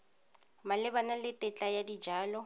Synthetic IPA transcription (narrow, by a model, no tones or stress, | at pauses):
malɪbanalɪtʼɛt͡ɬʼajadid͡ʒaːlɔ